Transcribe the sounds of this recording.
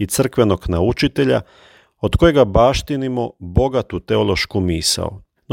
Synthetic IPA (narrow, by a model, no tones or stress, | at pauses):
it̪sr̩kʋe̞no̞ɡnaut͡ʃit̪e̞ʎa̰ | od̪ko̞jeɡabaːʃt̪inimobo̞ɡat̪ut̪eolˠo̞ʃkumiːsa̰o̰ | n